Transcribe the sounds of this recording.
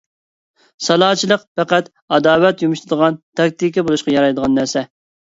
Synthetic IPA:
sɑlˠɑːt͡ʃʰilˠəqpæqæt̪ | ɑd̪ɑːwɛt̪jumuʃt̪ʰɨd̪əʁɑnt̪ʰɑk̚ʲt̪ikʲibolˠuʃqɑjɑɾɑjd̪əʁɑnːæɾsɛ

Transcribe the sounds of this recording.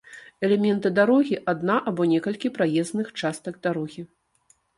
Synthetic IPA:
ɛlʲɛmʲɛnt̪ɨd̪aɾɔɣʲiʔad̪naʔabɔnʲɛkɐlʲkʲipɾajɛznɨxt͡ʂast̪ɐɡ̚d̪aɾɔɣʲi

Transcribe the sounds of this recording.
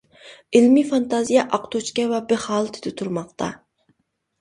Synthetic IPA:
ɪlmifɑnt̪ɑzijɑʔɑqt̪ʰot͡ʃkʲɛwɛbɪχɑːlˠt̪ʰɪ̥d̪ɪt̪ʰuɾmɑqt̪ʰɑ̰

